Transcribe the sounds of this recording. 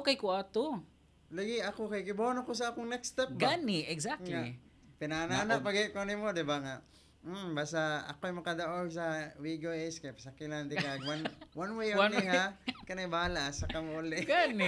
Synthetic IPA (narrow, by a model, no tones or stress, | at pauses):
kɐjkʊaːt̪o | lɐɡɪɐkokɐjkɪbonokos̬ɐʔaːkoŋnɛkst̪ɛp̚ɡanɪɛɡsakŋa | pɪnananapɐɡɪkoɐnɪmod̪ɪbaŋa | basaɐ̰koɐjmɐkɐd̪ɐʔoɡsɐwiɡoɛskajpɐsɐkɪland̪ɪkaɡwanwanwejanɪhakɐnɛbaːlaʔɐsakɐmolɛɡanɛ